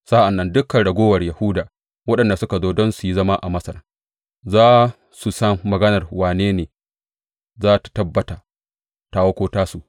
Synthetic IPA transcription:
sa˦ʔa˨nːɐ˦ndʊ˦kːɐ˨nɽɐ˨ɡʷoː˦wɐ˨rjɐ˨huː˦daː˨ | wɐ˦ɗɐ˨nda˨sʊ˦ka˨zoː˦dɔ˦nsu˨ji˦zɐ˦ma˦ʔa˨mɐ˦sɐ˨ɾ | zaː˦ | su˨sɐ˦ŋːɐ˨ɡɐ˦nɐ˨rwaː˨neː˦neː˨ | zaː˦tḁ˨tɐ˦bːɐ˨taː˨ | taː˨˦wɐ˦kʷoː˦taː˦su˨ʔ

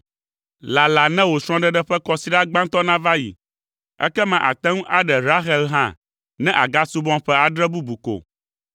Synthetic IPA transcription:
la˨la˨nɛ̃˦wo˨sɾ̃ɔ̃˦ɖɛ˦ɖɛ˦ɸɛ˦kɔ˦si˨˦ɖa˦ɡ͡bã˦ŋt̪ɔ˦nã˦va˦jḭ˨ | ɛ̰˦kɛ˦mã˨ʔa̰˨t̪ɛ̃˦ŋũ˦ʔa˦ɖɛ˨ɾa˦xɛ˦lɦã̰˦ | nɛ̃˦ʔa˨ɡa˦su˦bɔ̃˦mɸɛ˦a˨ɖɾɛ˦bu˦bu˨ko̰˨

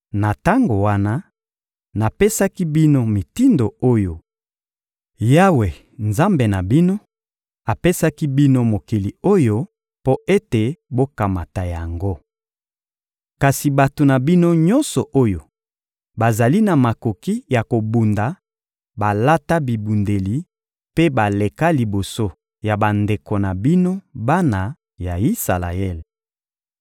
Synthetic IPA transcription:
na˨ta˦ŋɡo˨wa˦na˦ | na˨pe˦sa˦ki˦bi˦no˦mi˨ti˦ndo˨o˦jo˨ | ja˦we˨ | nza˦mbe˨na˨bi˦no˦ | a˨pe˦sa˦ki˦bi˦no˦mo˨ki˨li˨o˦jo˦ | po˦ʔe˦te˨bo˦ka˨ma̰˨ta˨ja˨ŋɡo˦ | ka˨si˨ba˨to˨na˨bi˦no˦ɲɔ˦nsɔ˨ʔo˦jo˨ | ba˨za˨li˦na˨ma˨ko˨ki˦ja˨ko˨bu˨nda˨ | ba˨la˦ta˦bi˨bu˨nde˨li˨ | pe˦ba˨le˨ka˦li˨bo˨so˦ | ja˨ba˨nde˨ko˨na˨bi˦no˦ba˦na˨ | ja˨i˦sa̰˨la̰˨ɛ˦˨l

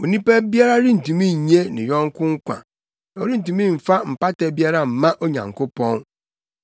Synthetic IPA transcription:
o˨nĩ˦pɛ˦bi˦a˦ɾa˦ɾɪ˦n̩˨tũ˨mĩ˦˨ɲ˦e˦nɪ̰̃˨jɔ̃˦ŋ̩˦kʊ̃˦ŋ̩˦kʷã̰˨ | na˨o˨ɾi˦n̩˨tu˨mĩ˦m̩˨fa˦m̩˨pa˦tɛ˨˦bi˦a˦ɾa˦m̩˨mã˦ʔo˦ɲã̰˨ŋ˨kʊ˦pɔ̃˦n

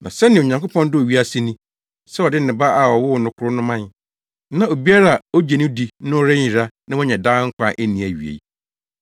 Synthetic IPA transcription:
nã˨sɛ˦nɪ̃˨ɲã˨ŋko˦pʰɔ̃˦ndɪ˦o˨ɥi˦a˦si˦nĩ˦ | sɛ˦ɔ˨dɪ˦n̩˨nɪ̃˨ba˦a˨ɔ˨wʊ˦˨nʊ̃˨kʰʊ˦ɾʊ˦nʊ̃˦mã˦n | nã˦o˨bi˦a˦ɾa˦a˨o˦d͡ʑe˨nɪ̃˦di˨nʊ̃˦ɾɪ˦ɲĩ˨ɾa˦nã˦wɔ˦ɲɛ̃˨daː˦ŋ̩˦kʷa˦ʔe˦nĩ˨æ˨ɥi˨ḛ˨

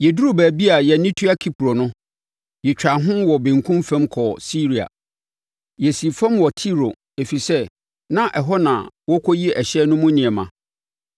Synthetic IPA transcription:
jɛ˨du˦ɾu˦bæ˨bi˦a˨jɛ˨nĩ˦tʰu˦a˦kʰi˦pʰɾo˨nʊ̃˦ | jɛ˨t͡ɕᶣa˨ɦʊ̃˦wɔ˨bɪ̃˨ŋ˨kʰũ˦mfɛ̃˦mkʰɔ˨si˦ɾi˨a̰˨ | jɛ˨si˨fã˦mwɔ˨tʰi˦ɾo̰˨ | e˨fi˨sɛ˦ | nã˦ʔɛ˨ɦɔ˦nã˨wɔ˦kʰɔ˦ji˦ʔɛ˨ɕɛ˦nʊ̃˦mũ˦nɪ̃˨ɛ˨mã˨

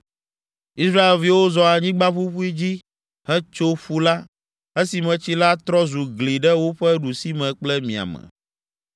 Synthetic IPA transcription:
i˦sɾa˦e˨lvi˨wo˦zɔ˨a˨ɲĩ˦ɡ͡ba˦fu˦ɸu˦i˦d͡ʑi˦ | hɛ˦t͡ʃo˦ɸu˦la˦ | ɛ˦si˨mɛ̃˨t͡ɕi˦la˦t̪ɾɔ˦zu˨ɡli˨ɖɛ˦wo˦ɸɛ˦ɖu˨si˦mɛ̃˨k͡plɛ˦mĩ˨a̰˨mɛ̰̃˨

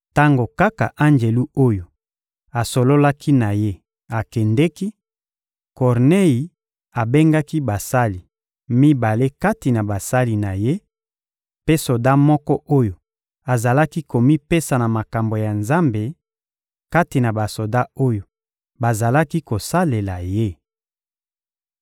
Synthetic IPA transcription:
ta˦ŋɡo˨ka˦ka̰˨ʔa˦nd͡ʒe˨lu˦o˦jo˨ | a˨so˨lo˦la˦kʰi˦na˨je˦ | a˨kɛ˨ndɛ˦ki˦ | kɔ˨ʁne˦ji˨ | a˨be˦ŋɡa˦ki˦ba˨sa˦li˨ | mi˦ba˨le˦ka˦ti˨na˨ba˨sa˦li˨na˨je˦ | pe˦so˨da˦mɔ˦kɔ˦ʔo˦jo˨ | a˨za˨la˦ki˦ko˨mi˦pe˦sa˨na˨ma˨ka˨mbo˨ja˨nza˦mbe˨ | ka˦ti˨na˨ba˨so˨da˦o˦jo˨ | ba˨za˨la˦ki˦ko˨sa˦le˨la˨je˦

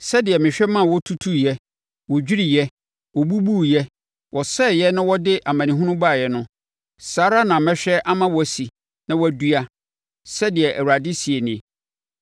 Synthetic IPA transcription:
sɛ˦dɪ˨ɛ˨mɪ̃˨ɕᶣɛ˦mã˦˨wɔ˦tʰu˦tʰu˦jɛ˦ | wɔ˨d͡ʑᶣi˦ɾi˨jɛ˦ | wɔ˨bu˦bu˦jɛ˦ | wɔ˨sɛ˦˨jɛ˦nã˦wɔ˦dɪ˦ʔa˨mã˨nĩ˨ɦũ˦nʊ̃˦ba˦˨jɛ˦nʊ̃˦ | saː˨˦ɾa˦nã˨mɛ̃˦ɕᶣɛ˦ʔa˦mã˦wɔ˦æ˨si˨ | nã˦wɔ˦æ˨du˦a˦ | sɛ˦dɪ˨ɛ˨ʔæ˨wu˨ɾa˨dɪ˦si˨ɛ˨nɪ̃˨

